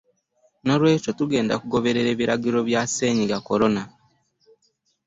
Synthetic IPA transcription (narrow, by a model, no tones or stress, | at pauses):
no̞ɾwe̞ːco̞tuɡe̞ːnda̰kuɡo̞βe̞ɾe̞ɾe̞ːβiɾaɡiɾo̞βjase̞ːɲiɡako̞ɾo̞na